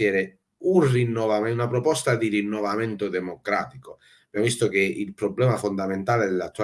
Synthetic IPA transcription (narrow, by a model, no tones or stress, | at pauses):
ɛːɾe | urinːovameunapɾopɔst̪ad̪irinːovament̪od̪emokɾa̰t̪iko | ab̥jamvist̪okeilpɾoblɛmafond̪ament̪aːled̪elat̪ːua